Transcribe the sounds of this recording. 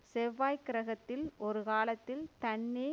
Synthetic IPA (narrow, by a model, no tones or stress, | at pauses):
sɛʋːaːjkːɪɾɐɣɐt̪ːɪlɔɾɯkaːlɐt̪ːɪlt̪ɐɳːeː